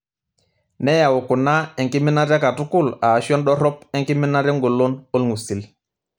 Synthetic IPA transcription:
nɛ˦ja˨wo˨ku˨na˦ɛ˨ŋki˦mɪ˦na˦ɾa˦ka˨tu˦ku˦˨la˨ʃjɔ˦nɗɔ˦ɾɔ˦pɛ˦ŋki˦mi˦na˦ɾɛ˦ŋɡo˨lo˦no˦lŋu˨si˨l

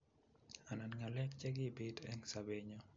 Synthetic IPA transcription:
a˨na˨nŋa˨lɛ˦kt͡ʃɛ˦ɡi˦bi˦tɛ̰˦nsabeɲɔ˦

